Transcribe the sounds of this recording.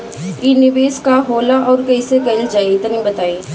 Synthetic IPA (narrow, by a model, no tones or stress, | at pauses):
inɪʋeːskaɦoːlaʔɔːɾkɐisekɐɪld͡ʒaːiɪt̪ənĩbɐt̪aːiː